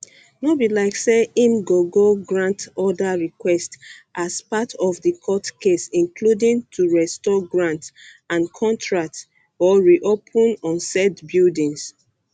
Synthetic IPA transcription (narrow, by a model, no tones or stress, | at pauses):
nobilaɪkseĩmɡoɡoɡɹãntɔdaɹikwɛstʔaspatʰɔfðəkʰɔtkesĩnkʰludĩŋtʰuɹɛstɔɡɹãnt | ãnkʰɔ̃ntʰɹak̚t | ɔɹiʔopʰɔ̃nɔ̃nsɛdbildĩŋs